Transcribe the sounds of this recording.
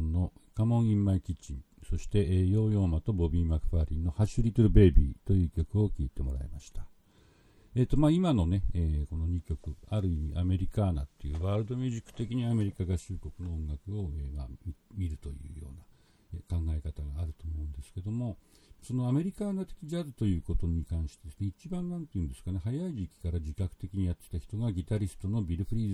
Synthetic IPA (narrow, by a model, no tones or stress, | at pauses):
nːo̞kamõ̞ɰ̃ĩmːaikʲit͡ɕĩ | so̞ɕi̥t̪e̞ʔjo̞ːjo̞ːmat̪o̞bo̞bʲiːmakɯ̥ɸaɾʲinːo̞haɕɨɾʲit̪oɾɯbe̞ːbʲḭːt̪o̞jɯ̟ːkʲo̞kɯ̟o̞kʲiːt̪e̞mo̞ɾa̰ḛmaɕi̥t̪ḁ | e̞t̪ːo̞maːimano̞ne̞eːko̞no̞ɲ̟ikʲo̞kɯ̟aɾɯ̟imʲiʔame̞ɾʲikanat̪ːe̞jɯ̟ːβaːɾɯ̟d̪o̞mʲeʑikːɯ̥t̪e̞kʲiɲ̟iame̞ɾʲikaɡaɕɨːko̞kɯ̟no̞õŋɡakɯ̟o̞emamimʲiɾɯ̟t̪o̞jɯ̟̰ːjo̞̰ːna | ekãŋɡae̞kat̪aɡaːɾɯ̟t̪o̞ːmo̞ɯ̟̃nd̪e̞sɨ̥ke̞d̪o̞mo̞so̞no̞ame̞ɾʲikaːnat̪e̞kʲid͡ʑazɨt̪o̞jɯ̟ːko̞t̪o̞ɲ̟ikãɰ̃ɕi̥t̪ed̪esɨne̞it͡ɕibãnnãnt̪eiɯ̟̃nd̪e̞sɨ̥kaneɦajaiʑikʲi̥kaɾad͡ʑikakɯ̟̥t̪e̞kʲiɲ̟ijat̪ːe̥t̪açi̥t̪o̞ɡaɡʲit̪aɾʲisɨ̥t̪o̞no̞bʲiɾɯ̟ɸɯ̟ɾʲiːz